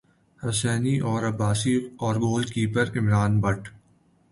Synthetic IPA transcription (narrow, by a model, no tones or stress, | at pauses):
hɐsɛːniʔɔːɾɐbaːsiɔːɾɡoːlkiːpəɾɪmɾaːnbɐʈ